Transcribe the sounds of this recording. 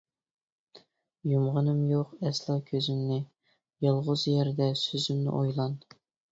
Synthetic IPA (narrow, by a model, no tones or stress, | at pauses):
jumʁənɨmjoqɛslˠɑkʲʰøzymnɪ | jɑlˠʁʊzjæɾd̪ɛsøzymnɪ̰ʔojlˠɑn